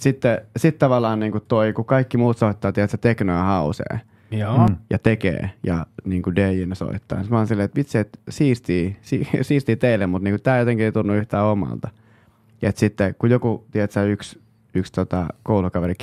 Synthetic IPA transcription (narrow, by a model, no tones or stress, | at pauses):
sit̪ːesit̪t̪ɑʋɑlːˑɑːnniːŋkutt̪oikukɑikːimuːt̪soit̪ːɑːt̪iet̪set̪eknoɑhɑusḛː | jjɑ̰t̪ekḛːjɑ̰niːŋkudeːjinːeso̰it̪ːɑ̰ːnsit̪mɑlnsilːeːet̪mit̪siet̪siːst̪iːsisiːst̪iːt̪eilːemmut̪niːŋkut̪æːjot̪eŋkieit̪unːuyht̪æːomɑ̰lt̪ɑ | et̪sit̪ːekujokut̪iɛt̪seyks | ykst̪ot̪ɑkoulukɑʋerik